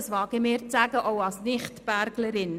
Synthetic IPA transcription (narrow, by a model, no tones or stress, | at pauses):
sʋɑːɡ̥imɪːɾt͡sæːɡəʔoʊɑlsnɪχtb̥æɾɡləɾɪn